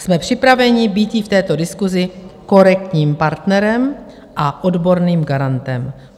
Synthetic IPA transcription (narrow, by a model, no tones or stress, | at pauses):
smɛpr̝̥ɪpɾavɛɲɪbiːt̪jɪft̪ɛːt̪o̞dɪskuzɪko̞ɾɛk̚t̪ɲiːmpaɾt̪nɛɾɛm | ʔaʔo̞dbo̞ɾniːmɡaɾant̪ɛm